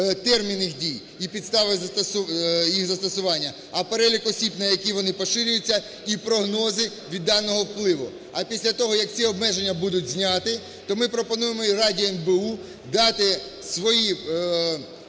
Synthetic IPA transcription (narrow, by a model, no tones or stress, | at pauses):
t̪ɛrmʲinːɪxdʲij | ipʲid̪st̪ɑʋɪzɐt̪ɐsʊjixzɐst̪ɔsʊʋɑnʲːɐ | ɐpeɾɛlʲikɔsʲibnɐjɐkʲiʋɔnɪpɔʃɪɾʲʊjʊt͡sʲːɐ | ipɾɔɦnɔzɪ | ʋʲid̪ːɑnːɔɦɔwplˠɪʋʊ | ɐpʲisʲlʲɐt̪ɔɦɔjɐk̚t͡sʲiɔbmɛʒe̞nʲːɐbud̪ʊtʲzʲnʲɑt̪ɪ | t̪ɔmɪpɾɔpɔnujemɔiɾɑdʲiɔɛmbeu | d̪ɑt̪ɪ | sʋɔji